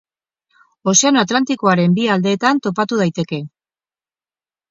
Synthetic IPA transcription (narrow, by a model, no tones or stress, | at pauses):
o̞se̞ano̞at̪lant̪iko̞aɾe̞mbiald̪e̞ːt̪ant̪o̞pat̪uð̞ajt̪e̞ke̞